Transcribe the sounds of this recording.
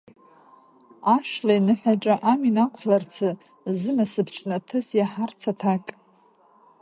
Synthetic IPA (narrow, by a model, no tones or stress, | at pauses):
aʂlajnɨħʷaʈ͡ʂʼaʔaminakʷʰlart͡sʰɨ | zɨnasɨbʰʈ͡ʂʼnatʰɨzjaħart͡sʰatʰakʼ